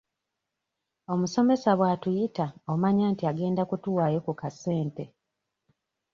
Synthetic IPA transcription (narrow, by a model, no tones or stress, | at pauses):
o̞muso̞me̞saβwaːtujitao̞maɲaːntiaɡe̞ːndakutuwaːjo̞kukase̞ːnte̞